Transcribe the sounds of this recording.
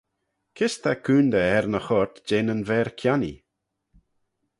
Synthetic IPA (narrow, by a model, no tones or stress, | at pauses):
kʰɪst̪akʰuːnd̪əɛɾnəxɔɹt̪d͡ʒeːnənvɛːɹkʰjanḭ